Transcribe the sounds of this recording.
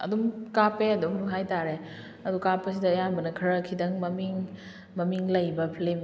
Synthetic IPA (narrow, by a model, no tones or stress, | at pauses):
ɐ̰dumkapeɐdumnuɦajtaɾe | ɐdukapːɐs̬idɐjambɐnɐkʰɐɾɐkʰːidɐŋmɐmiŋ | mɐmiŋlɐjbɐpʰlem